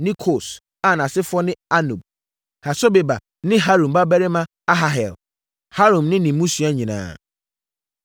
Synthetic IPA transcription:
nĩ˦kʰo˨s | a˦˨n˨ã˨sɪ˦fʊ˦ɔ˦nɪ̃˦a˦nṵ̃˨b̚ | ha˨sɔ˦be˨ba˨ | nɪ̃˦ɦa˦ɾũ˨mba˦bæ˦ɾɪ˦mã˦ | a˦ɦa˦ɦɛ̰˨l | ha˦ɾũ˨mnɪ̃˦nɪ̃˨mũ˦su˨˦a˦ɲĩ˨nã̰ː˨

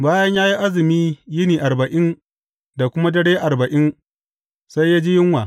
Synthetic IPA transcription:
baː˦jɐ˦ɲjaː˦ji˦ʔa˦zɪ˨miː˦jɪ˦niː˨ʔa˨rbɐ˨ʔɪ˦n | da˨kʷʊ˦ma˦dɐ˦ɽeː˦ʔa˨rbɐ˨ʔɪ˦n | sa˦jːaː˦d͡ʒi˦jɪ˦ŋwaː˨

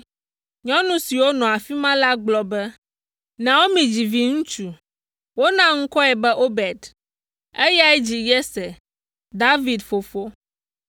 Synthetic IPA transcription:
ɲɔ̃˦nũ˦si˨wo˦nɔ̃˨a˨fi˦mã˦la˦ɡ͡blɔ˨bɛ˦ | nɛ̃˨wo˦mĩ˨d͡ʑi˨vi˨ŋũ˦t͡ʃu˨ | wo˦nã˦ŋ̩˦kɔ˦ɛ˨bɛ˦ʔo˦bɛ˨d̪ | e˦ja˦ɛ˦d͡ʑi˨jɛ˦sɛ˨ | d̪a˦vi˨d̪fo˨fo˦

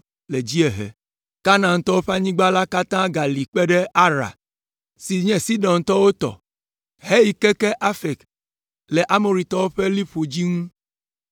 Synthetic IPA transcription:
le˨d͡ʑi˦ɛ˨ɦɛ̰˨ | ka˦nã˨ŋ̩˦t̪ɔ˦wo˦ɸe˦a˦ɲĩ˦ɡ͡ba˦la˦ka˦t̪ã˦ɡa˨li˨k͡pɛ˦ɖɛ˦a˦ɾa̰˨ | si˨ɲɛ̃˨si˦ɖɔ̃˨n˨t̪ɔ˦wo˦t̪ɔ̰˨ | ɦe˦ji˨kɛ˦kɛ˦ʔa˦fɛ˨k | lɛ˨ʔa˦mo˨ɾi˨t̪ɔ˦wo˦ɸe˦li˦ɸo˨d͡ʑi˦ŋũ˦

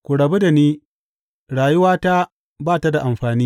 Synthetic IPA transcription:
kʷu˨ɽɐ˨be˦da˨niː˦ | ɽaː˨jʊ˦waː˦ta˦ | baː˦˨ta˦da˨ʔa˨mɸaː˨niː˦

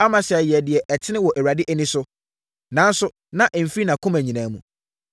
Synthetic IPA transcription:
a˦mã˨ɕɛ˨ɛ˨jɛ˨dɪ˨ɛ˨ʔɛ˨tʰɪ˦nɪ̃˦wɔ˨ʔɛ˨a˨dɪ˦ʔæ˦nĩ˦sʊ˦ | nã˨˦n̩˦sʊ˦ | nã˨ʔɛ˨m̩˨fi˦i˦nã˨kʰʊ̃˦mæ˨ɲĩ˨nãː˨˦mṵ̃˨

